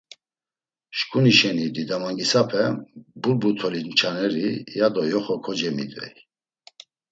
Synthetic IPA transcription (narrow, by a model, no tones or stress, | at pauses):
ʃkʼuniʃɛnid̪id̪amaŋɡisapʰɛbulbut̪ʰɔlint͡ʃʰanɛɾijad̪ɔjɔχɔkʰɔd͡ʒɛmḭt̪ʼvɛ̰j